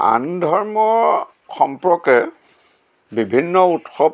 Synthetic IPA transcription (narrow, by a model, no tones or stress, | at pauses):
a̰ndʱɔɹmɔɹ | xɔmpɹɔkɛ | bibʱinːɔutxɔb